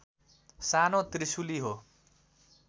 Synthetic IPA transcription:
sanot̪risuliɦo

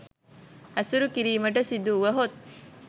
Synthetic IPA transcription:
ɐsuɾukiɾiːmɐʈɐsid̪uʋɐɦot̪̚

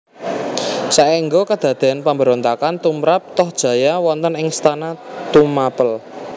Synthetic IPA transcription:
saʔiŋɡokad̪̥ä̤d̪̥e̤anpambəɾont̪akant̪umɾap̚t̪ɔhd̥ʒ̥ä̤jawɔnt̪ənɪŋst̪anat̪umapəl

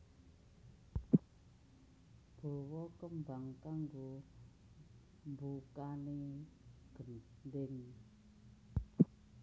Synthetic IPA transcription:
b̥ɔ̤wɔkəmbaŋkaŋɡo | mbukane | ɡ̥ə̤m | ndeŋ

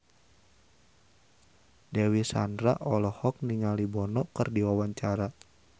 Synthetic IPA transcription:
dewisa̰ndɾa̰ʔɔlɔhɔk̚niŋalibɔnɔkərdiwawaɲt͡ʃaɾa

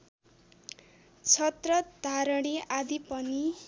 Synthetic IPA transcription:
t͡sʰʌt̪rʌd̪ʱaɾʌɽ̃iad̪ipʌni

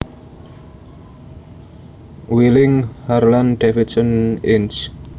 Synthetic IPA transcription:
wilɪŋharlanɖ̪̥efit̪̚sənɪns

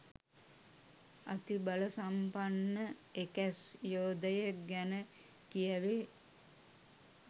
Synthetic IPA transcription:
a̰t̪ibaləsampanːəekæsjoːd̪əjəɡænə | kijəʋe

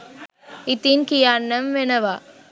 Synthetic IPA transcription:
ɪt̪ːinkɪjaːnːɐmʋɛnɐʋaː

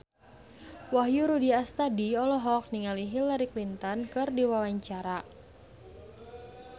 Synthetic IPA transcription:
waɦjuɾudiast̪adiɔlɔɦɔk̚niŋaliɦilaɾiklint̪ɔnkɨrdiwawaɲt͡ʃaɾa

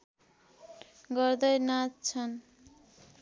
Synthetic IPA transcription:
ɡʌɾd̪ʌjnat͡st͡sʰʌn

